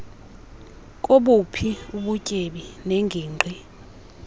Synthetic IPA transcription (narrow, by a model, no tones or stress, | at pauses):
kʼoɓupʰiuɓucʼeɓineŋɡʱiːŋ͡ǃʱwi